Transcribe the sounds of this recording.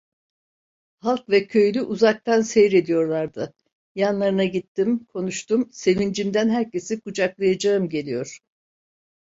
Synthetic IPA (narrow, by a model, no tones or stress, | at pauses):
halˠkvɛcʰø̞jlʲyʔuzak̚t̪ʰansejɾe̞d̪ijo̞ɾlˠaɾd̪ɯ | janlˠaɾɯnaɟit̪ʰːimkʰo̞nuʃt̪umse̞vind͡ʒimd̪ænɦæɾce̞sikud͡ʒaklˠajad͡ʒaɯmɟe̞lʲijo̞ɾ̥